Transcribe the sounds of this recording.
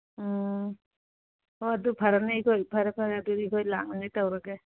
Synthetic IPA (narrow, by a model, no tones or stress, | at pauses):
ɔadupʰaɾanajkʰɔjpʰaɾɛpʰaɾaduiɡʰɔjla̰ŋanajtawɾaɡe